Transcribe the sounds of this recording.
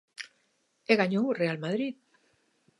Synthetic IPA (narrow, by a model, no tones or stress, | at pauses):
eɣaɲowrealmaðɾit̪̚